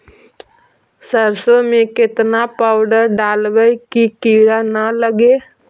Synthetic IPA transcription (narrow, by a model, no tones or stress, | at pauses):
səɾsomẽkɪt̪napaːʊɖəɾɖaːlʋəjkikiːɾanələɡeː